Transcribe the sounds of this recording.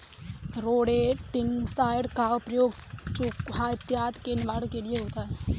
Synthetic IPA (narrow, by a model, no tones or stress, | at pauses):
ɾoːɽeʈɪnsaːɪɽkapɾəjoːɡt͡ʃukɦaɪt̪jaːt̪kenʋaːɽkelieɦoːt̪aɦɛ